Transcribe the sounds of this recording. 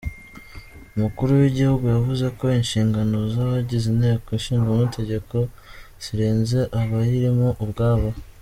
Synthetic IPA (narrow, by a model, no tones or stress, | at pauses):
umukuɾuwiɟihuɡujavuze̞ko̞inʃiːŋɡano̞zaβaɟizinhe̞ːkoinʃiːŋɡomuitʰe̞ɟe̞ko̞ | z̥iɾeːnze̞ʔaβajiɾimuʔubɡaːβa